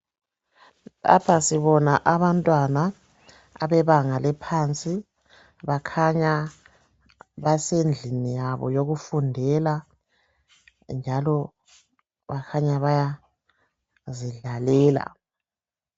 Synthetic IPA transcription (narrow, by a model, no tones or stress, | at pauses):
la̰pʰasiβɔnaʔaβantʼwana | a̰βɛβaŋalɛpʰant͡sʼi | βakʰaɲa | βasend͡ɮʱinijaβɔ̰joɣufundʱɛla | nd͡ʒʱalɔ | βakʰaɲaβaja | ziɮalɛːla̰